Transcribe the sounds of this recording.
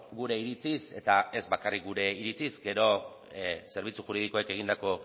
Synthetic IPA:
ɡuɾe̞iɾit͡sise̞t̪ae̞zbakarik̚ɡuɾe̞iɾit͡sizɡe̞ɾo̞ | se̞ɾβ̞it͡suxuɾið̞iko̞eke̞ɣ̞ind̪ako̞

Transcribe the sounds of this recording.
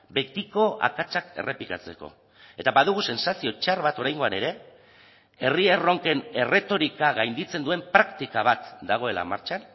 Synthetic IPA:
be̞t̪iko̞a̰kat͡sake̞̰re̞plikat͡se̞ko̞̰ | e̞t̪aβaðuɣ̞use̞nsasio̞t͡ʃaɾβat̪o̞ɾajŋɡo̞ane̞ɾe̞ | e̞riero̞ŋke̞ne̞re̞t̪o̞ɾikaɣajnd̪it͡se̞nd̪ue̞mpɾakt̪ikaβ̞at̪d̪aɣ̞o̞e̞la̰maɾt͡ʃan

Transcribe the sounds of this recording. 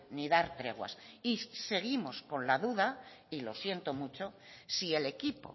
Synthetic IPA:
niðaɾt̪ɾe̞ɣ̞wa̰sise̞ɣimo̞skõ̞nlaðuða | ilo̞sje̞nt̪o̞mut͡ʃo̞ | sie̞le̞kipo̞̰

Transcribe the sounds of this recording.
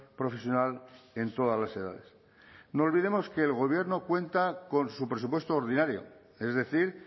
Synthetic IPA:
pɾo̞fe̞sjo̞nale̞nt̪o̞ðazlase̞ða̰ðe̞s | noːlβiðemo̞ske̞ːlɣ̞o̞β̞je̞ɾno̞kwe̞nt̪ako̞nsupɾe̞supwe̞st̪oːɾð̞inaɾjo̰ | e̞zðe̞θiɾ

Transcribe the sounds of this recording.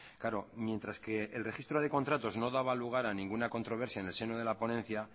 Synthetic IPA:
kaɾo̞mje̞nt̪ɾaske̞ːlre̞xist̪ɾoð̞e̞ko̞nt̪ɾat̪o̞zno̞ðaβaluɣ̞aɾanĩŋɡunako̞nt̪ɾo̞βe̞ɾsjaene̞lse̞noð̞e̞lapo̞nẽ̞n̟θja

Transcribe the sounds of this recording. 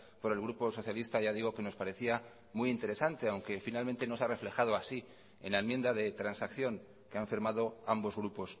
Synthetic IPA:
po̞ɾe̞lɣɾupo̞so̞θjalist̪aʝað̞iɣ̞o̞ke̞no̞spaɾe̞θia | muint̪e̞ɾe̞sant̪e̞awŋke̞finalment̪e̞no̞sare̞fle̞xaðo̞asi | ḛnlaemje̞nd̪aðe̞t̪ɾansakθjo̞ŋ | ke̞aɱfiɾmað̞o̞ambo̞zɣ̞ɾupo̞s

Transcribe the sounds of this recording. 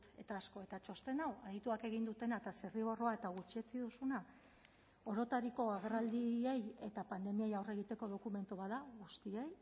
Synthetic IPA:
t̪e̞t̪aːsko̞e̞t̪at͡ʃo̞st̪e̞nawaðit̪uake̞ɣ̞ind̪ut̪e̞naet̪aseriβo̞ro̞ae̞t̪aɣ̞ut͡ʃie̞t͡siðusuna | o̞ɾo̞t̪aɾiko̞aɣ̞erald̪ieje̞t̪apand̪e̞miejawre̞ɣ̞it̪e̞ko̞ð̞o̞kume̞nt̪uβaðaɣust̪iej

